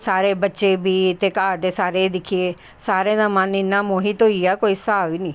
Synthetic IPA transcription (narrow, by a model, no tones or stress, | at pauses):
saːɾeːbətːʃeːbiːt̪eːkaːɾt̪eːsaːɾeːd̪ɪkʰieː | saːɾeːd̪ãːmənɪnːaːmõːɦiːt̪oːiːaːkoːisaːʋiːnĩː